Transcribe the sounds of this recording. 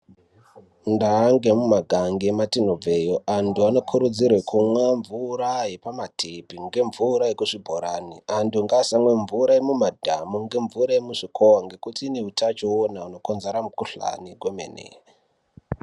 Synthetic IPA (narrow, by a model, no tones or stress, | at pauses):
ndaːŋɡemumaɡʱaŋɡematinovejoʔantʰuano̞kʰuɾud͡zirwekʰumwaɱvuɾaje̞pamatʰepiŋɡe̞ɱvuɾajekuʂibʱoɾanianduŋɡasaŋweɱvuɾajemumadʱa̰muŋɡe̞ɱvuɾaemuʂikʰowaŋɡe̞kutiːne̞ɦutʰat͡ʃoonauno̞konzeɾamukuɬa̰niɡwemḛnḛ